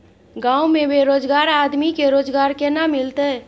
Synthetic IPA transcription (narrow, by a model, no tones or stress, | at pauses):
ɡãwmebeɾod͡ʒɡaɾad̪mikeɾod͡ʒɡaɾkenamilt̪ə